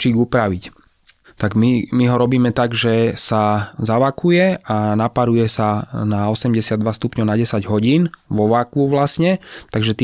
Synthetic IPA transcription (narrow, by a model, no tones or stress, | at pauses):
t͡ʃiːɡupɾaʋic | t̪aɡmimiɦɔɾɔbiːmɛt̪aɡʒɛsazaʋakujɛanapaɾujɛsanaɔsɛmɟɛsɪad̪ʋast̪upɲɔnaɟɛsaɟɦɔɟiːnʋɔʋakuʋlasɲɛt̪aɡʒɛt̪ː